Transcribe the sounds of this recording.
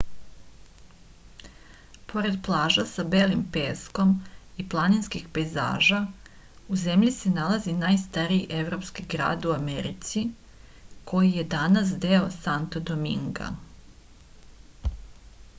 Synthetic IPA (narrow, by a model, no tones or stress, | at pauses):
pʰo̞ɾe̞d̪plˠaːʒasabeːlimpe̞sko̞miplˠaninskixpeza̰ːʒa | uze̞mʎise̞nalˠazinajst̪aɾijiʔe̞ʋɾo̞pskiɡɾa̰ːd̪uameɾḭt̪si | kʰo̞jije̞d̪anas̬d̪e̞osant̪od̪omḭŋɡa̰